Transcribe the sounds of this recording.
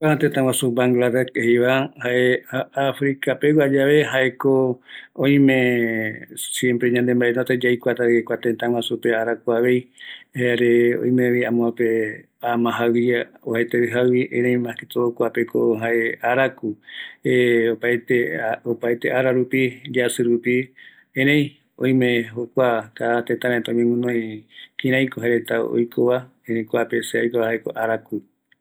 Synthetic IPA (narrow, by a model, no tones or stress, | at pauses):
at̪et̪ãwasubaŋɡlad̪ekehiβahaʔeafɾikapewad͡ʒaβe̞ɦaʔekoõĩmẽ | sjempɾeɲãnd̪embaʔenot̪ed͡ʒajkʷat̪aekʷat̪ẽt̪ãwasupeaɾakuaʋe̞jhaaɾeõ̰j̃meβiamõape | amãɦaiaohaet̪eɨɦawiʔẽɾẽj̃maket̪ookʷapekoɦaʔeaɾakueopaet̪eopaet̪eʔaɾaɾupid͡ʒasɨɾupi | ẽɾ̃ẽj̃ | õj̃mẽɦokʷak̪at̪et̪ãmet̪aõɲẽmũnõj̃kĩɾ̃ãj̃koɦaeɾet̪ao̰jkʰoβa | ẽɾẽj̃kʷapeseojkoahaekoʔaɾaku